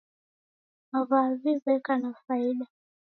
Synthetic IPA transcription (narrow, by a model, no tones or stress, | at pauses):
mavazizɛkanafaiɗa